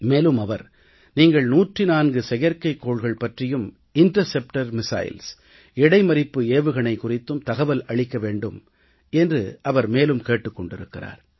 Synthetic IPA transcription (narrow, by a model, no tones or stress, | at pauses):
meːlɯmɐʋɐɾ | niːŋɡɐɭnuːʈrɪnaːnɡɯsɛɣɐɾkɐɪkːoːɭɣɐɭpɐʈrɪjɯm | ɪnʈɐɾsɛp̚ʈɐɾmɪsa̰ːjɪ̰ls | ɛɽɐɪmɐɾɪpːɯeːʋɯɣɐɳɐɪkʊrɪt̪ːɯmt̪ɐɣɐʋɐlɐɭɪkːɐʋeːɳɖɯm | ɛndrɯʔɐʋɐɾmeːlɯmkeːʈːɯkːɔɳɖɪɾɯkːɪra̰ːɾ